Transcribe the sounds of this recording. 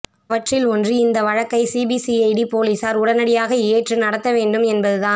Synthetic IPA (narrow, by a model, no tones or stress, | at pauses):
ʋɐʈrɪlɔndrɯɪnd̪ɐʋɐɻɐkːɐɪsiːbiːsiɐɪɖipoːliːsaːɾʊɽɐnɐɽɪjaːɣɐeːʈrɯnɐɽɐt̪ːɐʋeːɳɖɯmɛnbɐðɯðaː